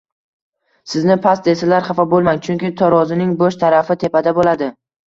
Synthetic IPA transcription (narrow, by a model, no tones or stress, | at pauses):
sɪznɪpʰasd̪esalaɾχafɒbolˠmaŋt͡ʃʰʊŋkʲɪt̪ʰɒɾɒzɪnɪŋboʃt̪ʰaɾafɪt̪ʰe̞pad̪abolad̪ɪ